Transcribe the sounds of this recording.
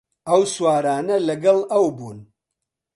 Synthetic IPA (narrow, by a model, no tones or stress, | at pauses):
ɐwswaːɾaːnɐlɐɡɐlˠɐwbuːn